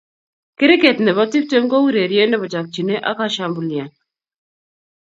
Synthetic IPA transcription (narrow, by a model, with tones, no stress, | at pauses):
kɪ˦ɾi˦ke˨t̪nɛ˨βɔ˦ti˦p̚te˦ŋɡɔ˦ɾe˨ɾje˦nɛ˦βɔ˨t͡ʃa˨k̚t͡ʃi˨ne˦ʔa̰˦ka˦ʃa˦mbu˨lja˨n